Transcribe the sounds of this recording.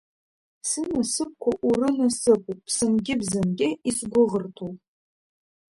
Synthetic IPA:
sɨnasɨp̚kʷʰaʔurɨnɐsɨpʰʷʼupʰsɨnɡʲɪbzɨnɡʲɪisɡʷʊʁərtʰuwʼ

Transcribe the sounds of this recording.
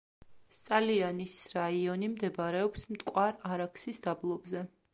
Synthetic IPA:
sʼalianisɾaiɔnimd̪ɛbaɾɛɔpsmt̪ʼkʼwaɾaɾakʰsisd̪̥ablˠɔbzɛ

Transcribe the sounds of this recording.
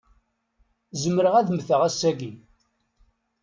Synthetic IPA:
zəmːəɾəʁæðəmθəʁæsːæɡi

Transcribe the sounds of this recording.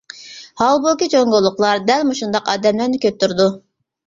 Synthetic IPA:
hɑlˠbokʲit͡ʃʰoŋɡolˠːʊqlˠɑɾd̪ɛlmuʃund̪ɑqɑːd̪ɛmlæɾnɪkʲʰøt̪ʰːyɾd̪u

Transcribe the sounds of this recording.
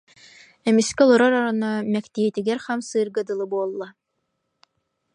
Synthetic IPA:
ɛmiskɛɔlˠuɾɔɾɔɾɔnɔmɛkt̪iɛt̪iɡɛɾχamsɯːɾɡɯd̪ɯlˠɯbuɔlˠːa

